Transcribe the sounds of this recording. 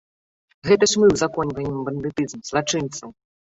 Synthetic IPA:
ɣɛt̪ɐʂmɨwzakɔnʲvɐjʲɛmbɐnd̪ɨt̪ɨzmz̥lˠat͡ʂɨnt̪sɐw

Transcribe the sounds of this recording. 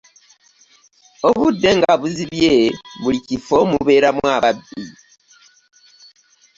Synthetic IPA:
oβudːeŋɡaβuziβjeβulicifomuβe̞ːɾamwaːβabi

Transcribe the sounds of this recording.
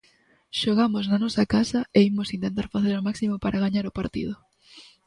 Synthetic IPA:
ʃoɣ̞amosnanɔsakasɐeimosint̪ent̪̬aɾfaθeɾomaksimopaɾʔaɣaɲaɾopaɾt̪ḭð̞ʊ

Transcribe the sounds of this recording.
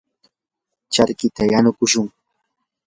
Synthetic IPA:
t͡ʃaɾkɪt̪ajanʊkʊʃʊŋ

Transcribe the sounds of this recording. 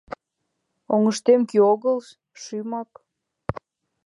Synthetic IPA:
oŋəʃt̪emkioɣəl | ʃymɑk

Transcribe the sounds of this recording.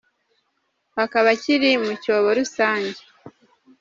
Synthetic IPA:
hakaβaciɾimucoːβoɾusaːɲɟe

